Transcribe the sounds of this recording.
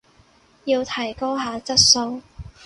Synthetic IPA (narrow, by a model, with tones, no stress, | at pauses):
jiː˧wt̪ʰɐ˨˩jko˥wɦaː˨˧t͡sɐ˥t̚so˧w